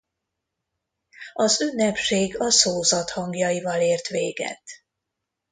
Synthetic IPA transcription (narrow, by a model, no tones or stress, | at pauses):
ɒzynːɛpʃeːɡɒsoːzɒt̪hɒŋɡjɒjivɒleːrt̪ʋeːɡɛ̰t̪